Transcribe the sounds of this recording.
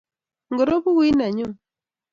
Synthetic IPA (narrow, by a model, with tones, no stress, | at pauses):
ŋɡo˨ɾo˦pu˦wi˦na˨ɲʊ˦